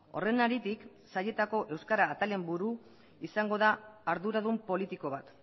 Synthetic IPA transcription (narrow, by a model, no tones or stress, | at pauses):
o̞re̞naɾit̪ik | saje̞t̪ako̞ʔe̞wskaɾaːt̪ale̞mbuɾu | isaŋɡo̞ðaːɾðuɾaðumpo̞lit̪iko̞β̞at̪